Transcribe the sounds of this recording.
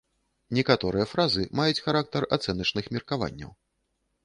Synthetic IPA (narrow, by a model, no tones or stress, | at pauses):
nʲɛkat̪ɔɾɨjɐfɾazɨmajut͡sʲxaɾak̚t̪ɐra̰t̪sɛnɐt͡ʂnɨxmʲirkava̰nʲːɐ̰w